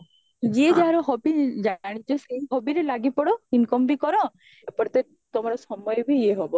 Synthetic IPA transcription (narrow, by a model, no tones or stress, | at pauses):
d͡ʒied͡ʒaɦaɾɔɦɔbid͡ʒaɽ̃it͡ʃɔseɦɔbiɾelaɡipɔɽɔinkɔmbikɔɾɔ | epɔɾt̪e | t̪omɔɾɔsɔmɔjɔbʱieɦɔbɔ